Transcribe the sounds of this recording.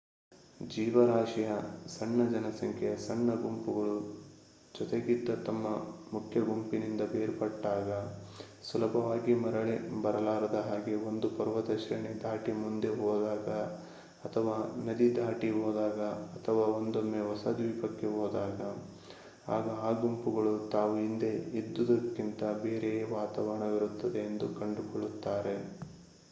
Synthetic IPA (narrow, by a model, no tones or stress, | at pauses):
d͡ʒiːʋɐɾaːʂɐjɐsɐɳːɐd͡ʒɐnɐsɐŋkʰɛjɐsɐɳːɐɡumpuɡɐɭu | d͡ʒɔt̪eɡid̪ːɐt̪ɐmːɐmukʰjɐɡumpinind̪ɐbeːɾpɐʈːaːɡɐ | sulɐbʱɐʋaːɡimɐɾɐɭebɐɾɐlaːɾɐd̪ɐɦaːɡe̞ond̪upɐɾʋɐd̪ɐʃɐɾɐɳed̪ʱaːʈimund̪eɦɔːd̪aːɡɐː | t̪ʰɐʋaːnɐd̪id̪ʱaːʈiɦoːd̪aːɡɐɐt̪ʰɐʋaːond̪omːeʋɐsɐd̪ʋiːpɐkːe̞ɦɔːd̪aːɡɐ | a̰ːɡɐaːɡumpuɡɐɭut̪aːʋuind̪e̞id̪ːud̪ɐkːint̪ɐbe̞ːɾeʋaːt̪aːʋɐɾɐɳɐʋiɾut̪ːɐd̪e̞ːnd̪ukɐɳɖukɔɭːut̪ːaːɾe̞